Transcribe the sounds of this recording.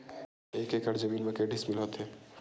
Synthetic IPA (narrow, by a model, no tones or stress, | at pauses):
ekekəɾd͡ʒəmiːnmekeɖismilɦət̪ɦɛ